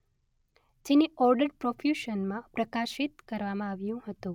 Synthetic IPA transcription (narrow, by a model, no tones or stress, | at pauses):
d͡ʒeneɔɾɖəɖ̚pɾofʰjuʃənmãpɾəkaʃɪt̪kəɾʋamãaʋjũɦət̪ũ